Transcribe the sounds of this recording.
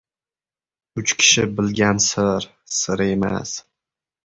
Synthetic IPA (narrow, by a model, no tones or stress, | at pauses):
ʊt͡ʃkʲʰɪ̥ʃɪbɪlɡʲansɪɾ | sɪɾe̞ma̰s